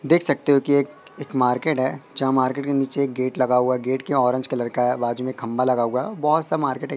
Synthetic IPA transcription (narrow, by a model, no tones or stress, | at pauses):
d̪eːkʰsɐk̚t̪eɦokieːkeːkmaːɾkeːʈɦɛːd͡ʒɐɦãmaːɾkeːʈkeniːt͡ʃeːk̚ɡeːʈlɐɡauaɡeːʈkeɔːɾɪ̃ɲd͡ʒkɐlɐɾkaɦɛbaːd͡ʒumẽkʰːɐ̃mbalɐɡaːuabɔɦʊt̪samaːɾkeːʈɦɛ